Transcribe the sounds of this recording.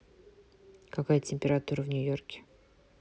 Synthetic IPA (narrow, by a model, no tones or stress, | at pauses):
kɐkajətʲɪmʲpʲɪɾat̪uɾəvnʲʊjo̞rkʲɪ̥